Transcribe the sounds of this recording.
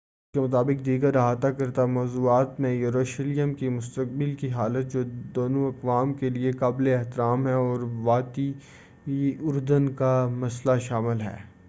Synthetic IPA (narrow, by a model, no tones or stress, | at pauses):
ɪskemʊt̪aːbɪk̚d̪iːɡəɾːɐɦaːt̪akɐɾt̪amɔːzuːaːt̪mẽjʊɾoːʃɪlijəmkimʊst̪ək̚bɪlkiɦaːlət̪̚d͡ʒoːd̪oːnoɐkʋaːmkeliekaːbleɪɦt̪ɪɾaːmɦɛɔːɾʋaːt̪i | ʊɾd̪ənkamɐslaʃaːmɪlɦɛ̰ː